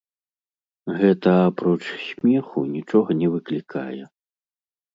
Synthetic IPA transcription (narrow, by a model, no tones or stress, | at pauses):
ɣɛt̪ɐapɾɔt͡ʂsʲmʲɛxṵnʲit͡ʂɔɣɐnʲɛvɨklʲikʰa̰jɛ